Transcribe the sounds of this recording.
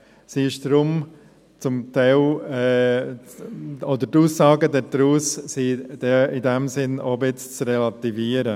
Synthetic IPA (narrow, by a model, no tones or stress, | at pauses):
siɪʃd̥ɾʊm | t͡sʊmt̪ɛɪlɛ | od̪əɾtuːsːɑːɡədɛɾdɾuːssid̥ɛidɛmsɪnobɪt͡st͡srɛlat̪iviːəɾə